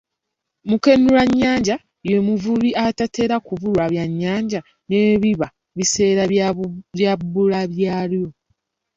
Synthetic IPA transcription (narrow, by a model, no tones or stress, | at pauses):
muke̞nulaɲːaːɲɟa | jemuvuβiatate̞ːɾakuvulwaβjaɲːaːɲɟa | neβiβa | βise̞ːɾaβjabulaβjaːljo̞